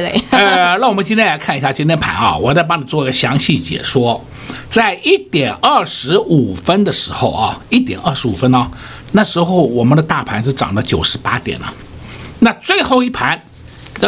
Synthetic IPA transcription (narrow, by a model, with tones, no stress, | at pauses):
ə˧na˥˩wɔ˨˩mə˦t͡ɕi˥nt̪ʰjɛ˥la˧˥ɪkʰa˥˩˧ni˧˥ɕja˥˧t͡ɕi˥nt̪ʰjɛ˥npʰa̰˧˥nɐ̰˥˧wɔ˨˩˥t͡sa˥˩ɪpɑ˥ŋni˨˩t͡swɔ˥˩i˥ɡə˧ɕjɑ˧˥ŋɕi˥˩t͡ɕjɛ̰˨˩ʂwɔ˥ | t͡sa˥˧ɪʔi˥˩t̪jɛ˨˩nɐ˥˩ʂɻ̩˧˥u˨˩fə˥nd̪ə˨ʂɻ̩˧˥xo˥˧ʊɐ˩i˥˩t̪̬jɛ̰˨˩nʔɐ˞˥˩ʂɻ̩˧˥u˨˩fə˥nɐ˥˩ | na˥˩ʂɻ̩˧˥xo˥˧ʊwɔ˨˩mə˦nd̪ə˧t̪a˥˩pʰa˧˥nʂ̬̩˥˩ʈ͡ʂɑ̰˨˩ŋlə˥˩t͡ɕjo˨˩ʊʂɻ̩˧˥pa̰˥t̪jɛ̰˨˩nɐ̰˦ | na˥˧t͡swe˥˧ɪxo˥˧ʊi˥˩pʰa˧˥n˧